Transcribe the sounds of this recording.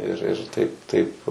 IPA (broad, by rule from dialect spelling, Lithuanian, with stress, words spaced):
ɪr ɪr ˈtɐɪp ˈtɐɪp